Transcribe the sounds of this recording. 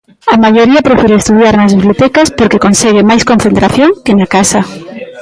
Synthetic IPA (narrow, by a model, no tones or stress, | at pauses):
amaʝoɾiɐpɾefiɾeest̪uðjaɾnazeβlot̪ɛkaspoɾkekonsɛɣ̞emajskõnθent̪ɾaθjoŋkenakasa